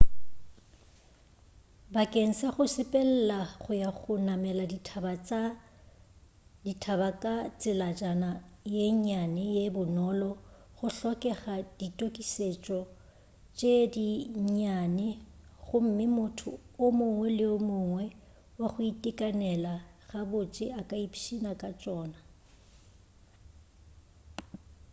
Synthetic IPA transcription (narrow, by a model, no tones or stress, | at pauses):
bakʼeŋ̩saχʊsɪpʼɛl̩laχʊjaχʊnamɛladba | ditʰabakʼat͡sʼɪlad͡ʒʼanajeɲanɛjebʊnɔlɔ | ɣʊɬɔkʼɛχad̥itʼokʼiset͡ʃʼɔ | t͡ʃʼediɲanɛɣʊm̩mɪmʊtʰʊ̰ʊmʊŋwɛlɪʊmʊŋwɛ | waχʊitʼɪkʼanɛlaɣabʊt͡ʃʼɪakʼaipʰi̥ʃinakʼat͡ʃʼɔːna